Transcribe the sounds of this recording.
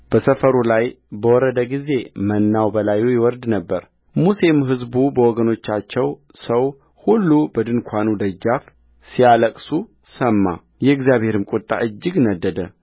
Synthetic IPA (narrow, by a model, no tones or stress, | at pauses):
b̥əsəfəɾulaj | bəwɔɾəd̪əɡize̞mənːawbəlajujɛwɔɾd̪nəbːəɾ | musemɦɨzbubəwɔɡəno̞t͡ʃːat͡ʃːɛw | səw | hulːubəd̪ɨnkʷʰanud̪əd͡ʒːaf | sijaləkʼsu | səmːa̰ | jɛɨɡzijaβhe̞ɾɨmkʼut̪ʼa̰ʔɨd͡ʒːɨɡnəd̪ːəd̪ə